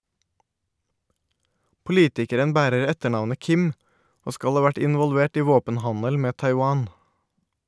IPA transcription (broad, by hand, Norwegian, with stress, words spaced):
pʊˈliːtɪkəɾən ˈbæːɾəɾ ˈɛtəˌɳɑʋnə ˈkɪm ˈoː ˈskɑʎ ˈhɑː ˈʋæʈ ˌɪnʋɔlˈʋeːʈ ˈiː ˈʋoːpənˌhɑɲəl ˈmeː ˌtɑɪˈwɑːn